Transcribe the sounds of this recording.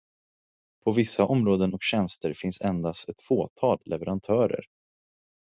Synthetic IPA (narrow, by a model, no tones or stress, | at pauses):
pʰɔvɪsːaʔɔmɾoːd̪ənɔkɕɛnst̪əɾfɪnsɛnd̪ast̪ɛt̪foːt̪ʰɑːllɛvɛɾant̪ʰœːɾə̰ɾ